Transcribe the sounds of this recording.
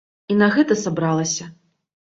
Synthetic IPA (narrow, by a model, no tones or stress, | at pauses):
inɐɣɛt̪ɐsabɾalˠɐsʲɐ